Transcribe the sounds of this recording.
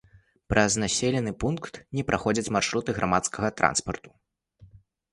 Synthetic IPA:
pɾʔɐznasʲelʲɛnɨpunkt̪nʲɛpɾʔaxɔd͡zʲɐt͡sʲmarʂɾut̪ɨɣɾʔamat̪skɐɣɐt̪ɾa̰nspɐrt̪u̥

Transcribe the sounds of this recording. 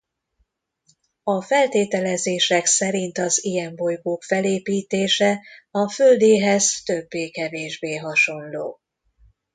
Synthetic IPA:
ɒfɛlt̪eːt̪ɛlɛzeːʃɛksɛɾint̪ɒzijɛmbo̞jɡoːkfɛleːpiːt̪eːʃɛɒfø̞ld̪eːɦɛzt̪ø̞bːeːkɛveːʒbeːɦɒʃo̞nloː

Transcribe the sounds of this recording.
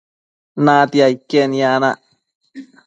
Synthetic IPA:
nat̪iaikːenianaʔ

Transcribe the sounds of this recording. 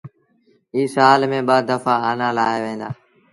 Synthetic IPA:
iːsaːlmẽːɓaːd̪əfaːaːnaːlaːɦeːʋẽːnd̪aː

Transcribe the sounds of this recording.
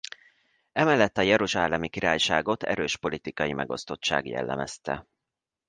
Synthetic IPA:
ɛmɛlːɛt̪ːɒjɛɾuʒaːlɛmikiɾaːjʃaːɡo̞t̪ɛ̰ɾøːʃpo̞lit̪ikɒjimɛɡo̞st̪o̞t͡ʃːa̰ːɡjɛ̰lːɛmɛst̪ɛ̰

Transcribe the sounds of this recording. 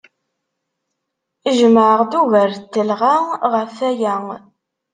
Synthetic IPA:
iʒməʕəʁd̪uvəɾt̪ːəlʁaʁəfæjæŋ

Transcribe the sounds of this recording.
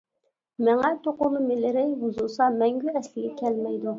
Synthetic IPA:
mɛŋɛt̪ʰoqʊlˠːɨmɪlɪɾɪbuzulˠsɑmɛŋɡʲyɛslɪɡʲɛkʲʰɛlmɛjd̪u

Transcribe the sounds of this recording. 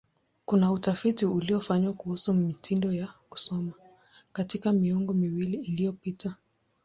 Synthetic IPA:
kunautafitiuliɔfaɲwakuhusumitindɔjaku̥sɔma | katikamiɔŋɡɔmiwiliːlijɔpita

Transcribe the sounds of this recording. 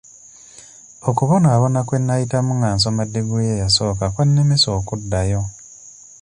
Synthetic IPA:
okuβo̞naːβo̞nakwe̞nːajitamuŋaːnsomadːeɡuljejaso̞ːkakwanːemeso̞ːkudːajo̞

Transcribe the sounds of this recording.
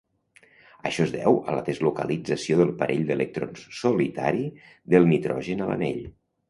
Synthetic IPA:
əʃɔzðɛ̰wələðəzlukəlid͡zəsioðəlˠpəɾʔeʎd̪ələk̚t̪ɾonssulit̪a̰ɾi | ðəlˠnit̪ɾɔʒənələ̰neʎ

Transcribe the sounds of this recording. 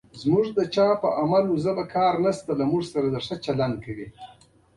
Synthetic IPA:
zmuʐd̪ət͡ʃɑpəʔamaluzəbakɑːɾnast̪alamuʐsaɾad̪əʂət͡ʃaland̪̚kʰawi

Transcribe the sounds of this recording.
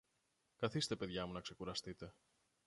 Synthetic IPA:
kɐθist̪e̞pe̞ðʝɐmunɐkse̞kuɾɐst̪it̪e̞

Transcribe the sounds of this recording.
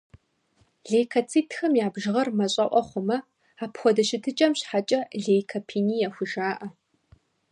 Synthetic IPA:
ɮejkʰɐt͡sʰiːtʰxɐmjaːbʒɨʁɐrmɐɕʼɐʔʷɔχʷʊmɐ | aːpxʷɔdɐʃɪtʰɨt͡ʃʼɐmɕħat͡ʃʼɐɮeːjkʰɐpʰiːniːjɛxʷʊʒaːʔɐ

